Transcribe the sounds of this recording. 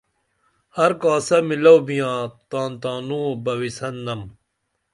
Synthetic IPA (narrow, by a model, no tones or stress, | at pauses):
hɐɾkaːsɐmilɐwbijãːt̪ãːnt̪aːnũːbɐwisɐnːɐm